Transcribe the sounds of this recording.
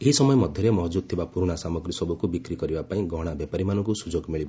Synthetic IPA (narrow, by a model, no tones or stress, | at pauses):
eɦisɔmɔjɔmɔd̪ʱjʌɾemɔɦd͡ʒud̪̚t̪ʰibapuɾuɽ̃asamɔɡɾisɔbukubikɾikɔɾibapaĩɡɔɽ̃abjapaɾimanɔkusud͡ʒoɡmiɭiba